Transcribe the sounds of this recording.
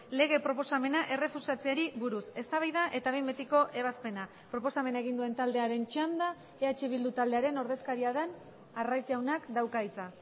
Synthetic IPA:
le̞ɣ̞e̞pɾo̞po̞same̞naʔe̞re̞fusat͡seaɾiβuɾuse̞st̪aβajðaʔe̞t̪aβembet̪iko̞ʔe̞β̞aspe̞na | pɾo̞po̞same̞naeɣ̞ind̪ue̞nt̪ald̪e̞aɾe̞nt͡ʃand̪a | eat͡ʃe̞βild̪ut̪ald̪e̞aɾe̞no̞ɾðe̞skaɾiaðen | arajzʝawnakd̪awkait͡sa

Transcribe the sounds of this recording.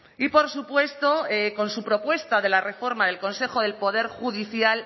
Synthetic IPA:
ipo̞ɾsupwe̞st̪o̞eko̞nsupɾo̞pwe̞st̪aðe̞lare̞fo̞ɾmaðe̞lkõ̞nse̞xo̞ðe̞lpo̞ðe̞ɾxuðiθjal

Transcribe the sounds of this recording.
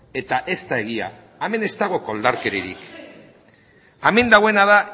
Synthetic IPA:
e̞t̪aʔe̞st̪ae̞ɣia̰ː | me̞ne̞st̪aɣ̞o̞ko̞ld̪aɾke̞ɾiɾḭk | ame̞nd̪aɣwe̞nað̞a

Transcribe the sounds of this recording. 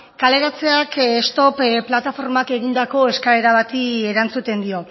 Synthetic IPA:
kale̞ɾat͡se̞akest̪o̞pplat̪afo̞ɾmake̞ɣind̪ako̞e̞skaeɾaβat̪ie̞ɾant͡sut̪e̞nd̪io̞

